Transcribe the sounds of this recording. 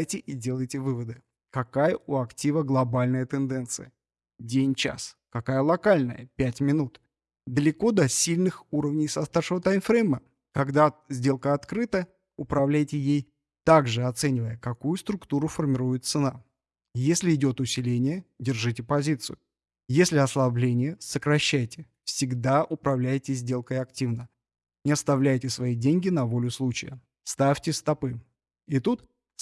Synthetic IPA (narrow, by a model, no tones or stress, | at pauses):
jtʲɪʔɪdʲe̞lˠəjtʲɪvɨvəd̪ɨ | kɐkajəʔʊɐktʲivəɡlˠɐbalʲnəjət̪ɨnd̪ɛnt̪sɨjə | dʲenʲt͡ɕa̰skɐkajəlˠɐkalʲnəjə̰pʲætʲmʲɪnut̪ | d̪əlʲɪko̞d̪ɐsʲilʲnɨxuɾəvnʲɪjsɐst̪afʂɨvət̪ajmfɾɛjmə | kɐɡd̪azʲdʲe̞lˠkəɐt̪kɾɨt̪ə | ʊpɾɐvlʲæjtʲɪjej | t̪aɡʐɨɐt̪sɛnʲɪvəjəkɐkujʊst̪ɾʊkt̪uɾʊfərmʲɪɾujɪt̪̚t̪sɨna | jesʲlʲɪɪdʲo̞t̪ʊsʲɪlʲenʲɪjədʲɪrʐɨtʲɪpɐzʲit̪sɨjʊ | jesʲlʲɪɐslˠɐblʲenʲɪjəsəkɾɐɕːæjtʲɪ | fsʲɪɡd̪aʔʊpɾɐvlʲæjtʲɪzʲdʲe̞lˠkəjɐktʲivnə | ɪɐst̪ɐvlʲæjtʲɪsvɐidʲenʲɡʲɪnɐvo̞lʲʊslˠut͡ɕɪ̰jə̰ | st̪afʲtʲɪst̪ɐpɨ | ɪt̪ut̪